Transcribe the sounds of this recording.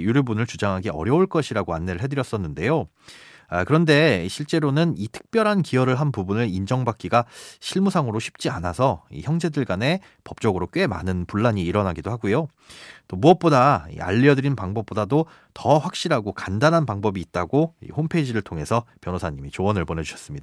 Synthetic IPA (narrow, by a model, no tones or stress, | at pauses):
juɾɯbunɯɭt͡ɕud͡ʑaŋɦaɡiʌɾjʌuɭk͈ʌɕʰiɾaɡoanːeɾɯɭɦe̞dɯɾjʌs͈ʌnːɯnde̞jo | akɯɾʌnde̞ɕʰiɭt͡ɕ͈e̞ɾonɯnitʰɯ̥k̚p͈jʌɾɦankiʌɾɯɭɦanpubunɯɭind͡ʑʌŋbak͈iɡaɕʰiɭmusʰaŋɯɾoɕʰi̥p̚t͡ɕ͈ia̰na̰sʰʌḭçjʌŋd͡ʑe̞dɯɭɡane̞ | pʌp̚t͡ɕ͈ʌɡɯɾok͈ɥe̞ma̰nɯnpuɭːaɲiːɾʌnɦaɡidohaɡujo | t͈omuʌp̚p͈odaḭa̰ʎːiʌdɯɾinpaŋbʌp̚p͈odado | tʌɸwak̚ɕ͈iɾɦaɡokandanɦanpaŋbʌbiːt̚t͈aɡoḭhompʰed͡ʑiɾɯɭtʰoŋe̞sʰʌpjʌnosʰaɲimit͡ɕoʌnɯɭponet͡ɕuɕʰʌs͈ɯmɲidaa